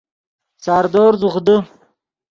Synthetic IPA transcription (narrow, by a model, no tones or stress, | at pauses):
sɑːɾd̪oːɾzuχd̪ə